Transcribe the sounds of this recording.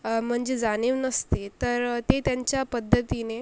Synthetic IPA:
m̤əɳd͡zed͡zaneʋnəst̪et̪əɾt̪et̪jaɲt͡ɕjapəd̪ʱːət̪ine

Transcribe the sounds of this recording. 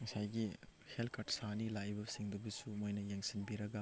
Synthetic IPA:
ŋɐsajɡihelkʰɐɾʈsanilajbɐsiŋdɐbɐsumojnɐjaŋsinbiɾɐɡɐ

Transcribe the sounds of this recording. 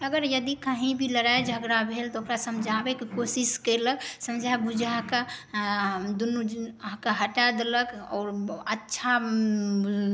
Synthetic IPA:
əɡəɾjəd̪ikaɦĩbʱiləɾaed͡ʒʱəɡɾabʱelt̪ɔokɾasəmd͡ʒʱabekekosiskələksəmd͡ʒʱabud͡ʒʱaɦka | d̪unuɦkaɦəʈad̪eləkɔ̰ːɾətːʃʰa

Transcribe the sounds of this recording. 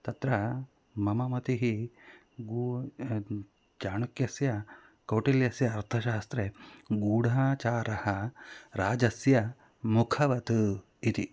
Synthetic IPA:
t̪ɐt̪ɾɐ | mɐmɐmɐt̪iɦi | ɡu | d͡ʒaːɳɐkjɐsjɐ | kɐwʈiljɐsjɐːɾt̪ʰɐʃaːst̪ɾeɡuːɽʱaːt͡ʃaːɾɐhɐɾaːd͡ʒɐsjɐ | mukʰɐʋɐt̪u | it̪i

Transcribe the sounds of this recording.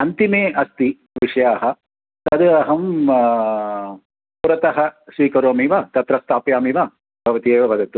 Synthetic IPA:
ɐnt̪imeːɐst̪i | ʋiʂɐjaːɦɐ | t̪ɐd̪ɨɐɦɐm | puɾɐt̪ɐɦɐsʋiːkɐɾoːmiʋɐt̪ɐt̪ɾɐst̪aːpjaːmiʋa | bʱɐʋɐt̪ieːʋɐʋɐd̪ɐt̪u

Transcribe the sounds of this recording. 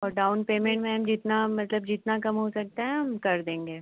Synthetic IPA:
ɔːɾɖaːʊnpeːmẽɳʈmẽɦɐmd͡ʒɪt̪namɐt̪ləbd͡ʒɪt̪nakɐmɦosɐk̚t̪aɦɛ̃ɦɐmkɐɾd̪ẽːŋɡeː

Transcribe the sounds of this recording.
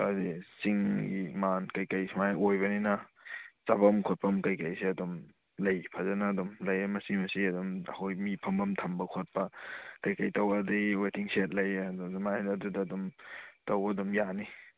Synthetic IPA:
azisiŋɡimankɐjkɐjsmajʔojbɐninɐt͡ʃabɐmkʰot̚pʰɐmkɐjkɐjsiɐdɔm | lɐjpʰazɐnɐːdɔmlɐjemɐsimɐsiɐdɔmɐ̰hojmipʰɐmbɐmtʰɐmbɐkʰot̚pɐkɐjkɐjtɐwbɐdɐwetiŋsiet̚lɐjdɔzɐmaedɐdudɐːdɔmtɐwbɐɐdɔmjani

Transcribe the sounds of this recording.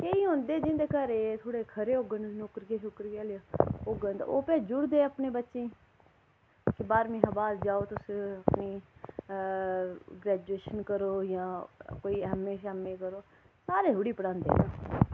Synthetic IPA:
keiːɦõːnd̪eːd͡ʒɪ̃nd̪eːkəɾeːt̪ʰoːɽekʰəɾeːoɡənnokɾɡeːʃokɾɡaːlaoɡənt̪a̰oːpɛ̃ːd͡ʒʊɽd̪eːəpnẽːbətːʃẽː | kebaːɾmẽːɦəbaːld͡ʒaːoːt̪ʊsəpni | ɡɾɛːd͡ʒueːʃənkəɾoːjãːkoːiɦəmeːʃaɦəmẽːkəɾoː | saːɾeːɦʊɽiːpəɽãːnd̪ḛnaː

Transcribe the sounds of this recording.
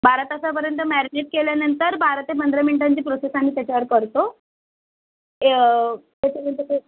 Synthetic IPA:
bʱaɾət̪asapəɾjənt̪əmæɾineʈ̚keljanənt̪əɾbʱaɾət̪epənd̪ʱɾaminiʈaɲt͡ɕiːpɾosesañiːt̪jat͡ɕaəɾkəɾt̪o | at͡ɕemt̪et̪e

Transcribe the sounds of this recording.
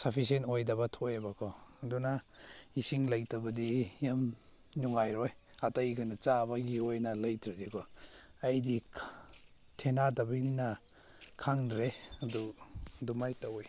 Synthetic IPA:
sapʰis̬enojdɐbatʰojabakʰɔ | duna | isiŋlajtabɐdijam | nuŋajɾɔj | atajɡanat͡ʃabaɡiojnalɐjtɾidikʰɔ | ajdi | tʰenadɐbiina | kʰaŋdɾeadudumajtawj

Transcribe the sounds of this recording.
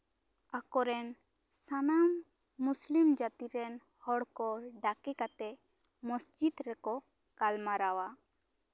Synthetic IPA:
akɔɾɛn | sanamː | uslimd͡ʒat̪iɾɛn | hɔɽkɔɖakɛkat̪ɛ | mɔsd͡ʒid̪ɾɛkɔ | kalmaɾawa

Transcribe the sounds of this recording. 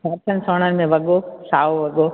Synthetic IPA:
saːɾt̪ʰənɪ̆soːɽ̃ənɪ̆mẽʋɐɠosaːoʋɐɠo

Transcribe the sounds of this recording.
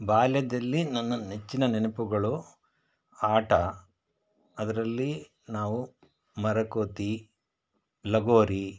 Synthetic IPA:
baːljɐd̪ɐlːinɐnːɐnet͡ʃːinɐnenɐpuɡɐɭu | aːʈɐ | ɐd̪ɐɾɐlːi | naːʋu | mɐɾɐkoːt̪i | lɐɡoːɾi

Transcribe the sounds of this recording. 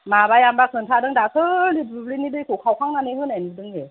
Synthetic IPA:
mabajambakʰɯntʰadɯŋdakʰɯlibɯblinidɯkʰukʰawkʰaŋnaniɦɯnanidɯŋe

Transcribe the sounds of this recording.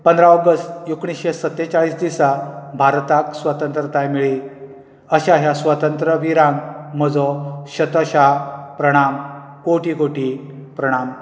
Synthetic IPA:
pənd̪ɾaɔɡəst̪jukɳ̃isɕesət̪ːet͡saɭiːsd̪isabʱaɾt̪aksʋət̪ənt̪ɾət̪ajmiɭi | əɕaɦjasʋət̪ənt̪ɾəʋiɾãŋɡm̤əd͡zɔɕət̪əɕapɾəɽ̃am | koʈikoʈi | pɾəɽ̃am

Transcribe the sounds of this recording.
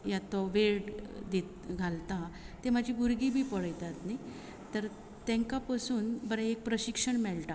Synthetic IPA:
jat̪ɔʋeɽd̪et̪ɡʱalt̪a | t̪emad͡ʑʱibuɾɡibʱiːpɔɭəjt̪at̪naj | t̪əɾ | t̪ɛ̃ŋkapasuːnbəɾãek̚pɾəɕikʂəɳmɛɭʈa

